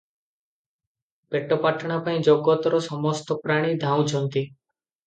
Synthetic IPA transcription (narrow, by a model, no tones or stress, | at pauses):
peʈːɔpaʈɽ̃apaĩd͡ʒɔɡɔt̪ɔɾɔsɔmɔst̪ɔpɾaɽ̃id̪ʱaw̃t͡ʃʰɔnt̪i